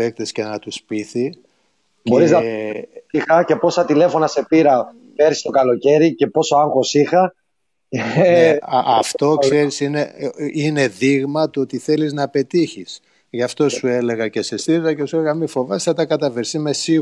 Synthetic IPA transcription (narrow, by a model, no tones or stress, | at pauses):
ek̚t̪esce̞nɐt̪uspiθi | boɾiznɐ | ixɐce̞po̞sɐt̪ile̞fo̞nɐse̞piɾɐ | peɾi̥st̪o̞kɐlo̞ce̞ɾice̞po̞soɐŋxo̞sixɐ | ɐft̪o̞kseɾisine̞ine̞ðiɣmɐt̪oot̪iθe̞liznɐpe̞t̪içis | ʝɐft̪o̞sue̞le̞ɣɐce̞se̞st̪iɾizɐcesueleɣɐmifo̞vɐsθɐt̪ɐkɐt̪ɐveɾsime̞si